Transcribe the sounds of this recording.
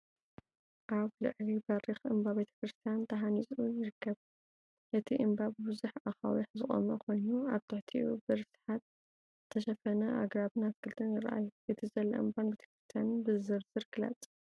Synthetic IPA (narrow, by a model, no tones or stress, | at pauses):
ʔaβlɨ̰ʕlibɐrixɨmbaβet̪ʰɐ̥kɾɨst̪ʰijant̪ʰɐɦanit͡sʼujɪɾɨkʰːɐβ | ʔɨt̪ʰiʔɨmbabbɨzuħaxa̰wiħzɨχʼo̰mɐkʷʰo̞jnuaβt̪ʰɨħt̪ʰḭubɨɾfsɨ̥ħat̪ | zɨt̪ʰɐʃɐfɐnɐʔa̰ɡɾaβɨnaskʰɨlt̪ʰɨnjɪɾʔa̰juʔɨt̪ʰizɐlɐ̰ʔɨmbanbet̪ʰɐ̥kɾɨst̪ʰjanbɨzɨɾzɨɾɡɨla̰t͡sʼ